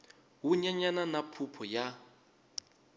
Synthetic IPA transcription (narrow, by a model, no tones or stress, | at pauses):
ɦuɲaɲananapʰupʰɔja